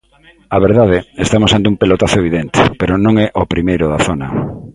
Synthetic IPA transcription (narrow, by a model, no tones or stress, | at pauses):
aβeɾðaðeest̪amosant̪eumpelot̪aθoeβiðent̪epeɾonõŋɛʔopɾimejɾʊðaθonɐ